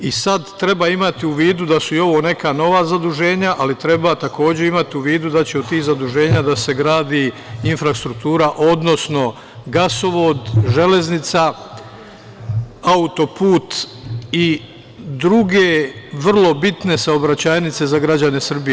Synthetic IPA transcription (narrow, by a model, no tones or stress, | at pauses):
isad̪t̪ɾe̞baimat̪iuʋiːd̪ud̪asuio̞ʋo̞ːne̞kano̞ʋazad̪uʒe̞ːɲaʔalit̪ɾe̞bat̪ako̞ːd͡ʑe̞imat̪iuʋiːd̪ud̪at͡ɕe̞od̪t̪ːiːxzad̪uʒe̞ːɲad̪ase̞ɡɾaːd̪iː | infɾast̪ɾuk̚t̪uːɾaʔo̞d̪no̞sno̞ | ɡaso̞ʋo̞ːd̪ʒe̞le̞znit̪sa | aut̪o̞puːt̪ | i | d̪ɾuɡe̞ʋr̩lˠo̞bit̪ne̞sao̞bɾat͡ɕaːjnit̪se̞zaɡɾad͡ʑane̞sr̩bije